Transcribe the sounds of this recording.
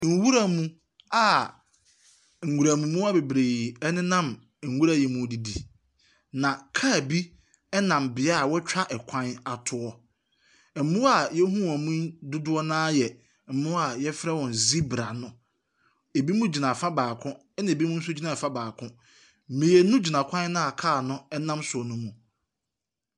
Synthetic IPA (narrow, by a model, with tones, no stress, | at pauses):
ŋ̩˨wu˦ɾa˦mũ˦ | a˨ | ŋ̩˨ɡu˨ɾa˨mũ˨mũ˦a˦be˨bɾe˨i˨ɛ˦nɪ̃˦nã˦˨m˨ | ŋ̩˨wu˦ɾa˨ji˨˦mũ˦di˦di˨ | nã˨kʰa˦˨bi˦ | ɛ˦nã˨mbɪ˨a˦˨wɔ˦t͡ɕᶣa˦ʔɛ˨kʷʰã˦na˨tʰʊ˨ɔ˦˨ | m̩˨mũ˦a˨jɛ˦ɦũ˦˨a˨mũ˦dʊ˦dʊ˦ɔ˦nãː˦jɛ˨ | m̩˨mʊ̃˦a˨jɛ˦fɾɛ˦wɔ̃˨n˨zi˦bɾa˨nʊ̃˦ | e˨bi˦mũ˦d͡ʑi˨nã˨fa˦baː˨kʰʊ̃˦ | ɛ˦nã˨e˨bi˦mũ˦n̩˦sʊ˦d͡ʑi˦nã˨fã˦baː˨kʰʊ̃˦ | mĩ˨e˨nʊ̃˦d͡ʑi˨nã˨kʷʰã˦n˦nʊ̃˦a˨kʰaː˦˨nʊ̃˦ɛ˦nã˦msʊ˨ɔ˨nʊ̃˦mũ˨